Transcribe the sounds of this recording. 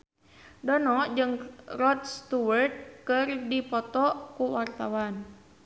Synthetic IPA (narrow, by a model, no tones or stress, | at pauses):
dɔnɔʔd͡ʒɨŋrɔt̪̚st̪uwərt̪̚kɨrdipɔt̪ɔʔkuwart̪awan